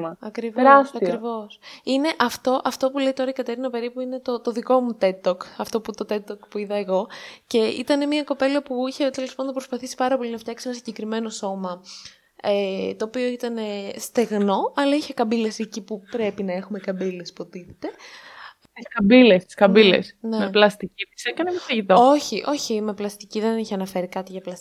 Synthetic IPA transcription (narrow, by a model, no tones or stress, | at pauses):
ɐɐkɾivɾɐsɐkɾivo̞sine̞ʔɐft̪o̞ʔɐft̪o̞pule̞jt̪o̞ɾɐikɐt̪e̞ɾinɐpe̞ɾipuine̞t̪o̞t̪o̞ðiko̞mut̪e̞t̪ːokɐft̪o̞put̪o̞t̪e̞t̪ːokpuiðɐeɣo̞ce̞ḭt̪ɐne̞miɐko̞pe̞lɐpuiçet̪e̞lo̞spɐnd̪pɾo̞spɐθisi̥pɐɾɐpo̞linɐft̪çɐksisenɐsiɲɟe̞kɾime̞no̞so̞mɐ | et̪o̞ːpio̞it̪ɐne̞st̪e̞ɣno̞ɐlɐiçe̞kɐmbile̞secipupɾe̞pinɐe̞xume̞kɐbile̞spuot̪it̪e̥t̪e̞ | t̪iskɐmbilest̪i̥skɐmbilḛsnemeplɐst̪icit̪i̥sekɐnemesɐʝit̪ooçiʔo̞çime̞plɐst̪iciðe̞niçeɐnɐfe̞ɾikɐt̪iʝɐplɐst̪i